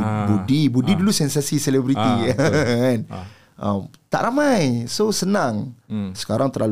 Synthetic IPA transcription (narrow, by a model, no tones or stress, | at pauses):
budibudidulusɛnsasiselɛbɾit̪i | an | ʔə̰mt̪a̰ʔɾamajsosənaŋsə̥kaɾaŋt̪əɾlal